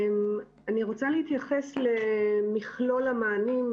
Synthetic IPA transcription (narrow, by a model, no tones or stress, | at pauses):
m | aniʁot͡saleit̪jaχesle̞miχlo̞lamaːnim